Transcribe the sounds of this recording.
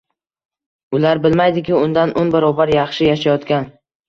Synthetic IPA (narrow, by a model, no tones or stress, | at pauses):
ʊlaɾbɪlmajd̪ɪkʲɪʊnd̪anʔonbaɾɒbaɾjɑχʃɪjaʃajɒt̪kʲan